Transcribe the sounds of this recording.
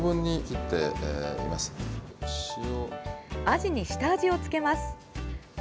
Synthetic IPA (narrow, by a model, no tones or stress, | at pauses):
bɯ̟̃ɲ̟ːiit̪ːe̞ḭmasɨ̥ɕioaʑiɲ̟iɕi̥t̪aːʑio̞t͡sɨ̥ke̞masɨ̥